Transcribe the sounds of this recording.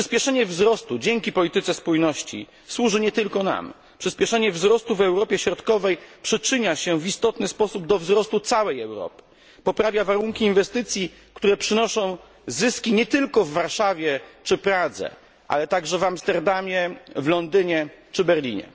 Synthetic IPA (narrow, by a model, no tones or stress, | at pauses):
pʂɘspʲjɛʂɛɲɛvzɾɔst̪ud͡ʑɛŋkʲipɔlʲit̪ɘt̪sɛspujnɔɕt͡ɕḭ | swuʐɘɲɛt̪ɘlkɔna̰m | pʂɘspʲjɛʂɛɲɛvzɾɔst̪uvɛwɾɔpʲjɛɕɾɔt̪kɔvɛjpʂɘt͡ʂɘɲaɕɛvist̪ɔt̪nɘspɔsub̚d̪ɔvzɾɔst̪ut̪sawɛjɛwɾɔ̰pɘ̥ | pɔpɾavʲjavaɾuŋkʲiːnvɛst̪ɘt̪sʲji | kt̪uɾɛpʂɘnɔʂɔ̃w̃ | zɘskʲiɲɛt̪ɘlkɔvːaɾʂavʲjɛt͡ʂɘpɾad̪zɛ̰ | ʔa̰lɛt̪aɡʐɛvamst̪ɛɾd̪amʲjɛvlɔnd̪ɘɲɛt͡ʂɘbɛɾlʲḭɲɛ̰